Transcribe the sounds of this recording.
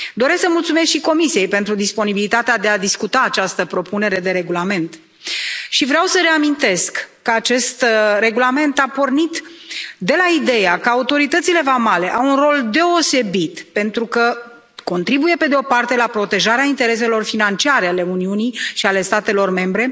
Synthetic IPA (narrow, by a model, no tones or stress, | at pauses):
d̪o̞ɾesksəmult̪sumeskʃiko̞misije̞jpent̪ɾud̪ispo̞nibilit̪at̪ead̪e̞ad̪iskut̪aːt͡ʃast̪əpɾo̞pune̞ɾe̞d̪e̞ɾe̞ɡulame̞nt̪ | ʃivɾeawsəɾe̞amint̪e̞skːəat͡ʃe̞st̪re̞ɡulame̞nt̪apo̞rnit̪d̪e̞laid̪e̞jakəaut̪o̞ɾit̪ət̪sile̞vamale̞ʔawunro̞ld̪e̞o̞se̞bit̪pe̞nt̪ɾukə | ko̞nt̪ɾibuje̞pe̞d̪eo̞part̪e̞lapɾo̞t̪e̞ʒaɾeaint̪e̞ɾe̞s̬e̞lo̞rfinant͡ʃiaɾeale̞uniuniʃiale̞st̪at̪e̞lo̞rme̞mbɾe̞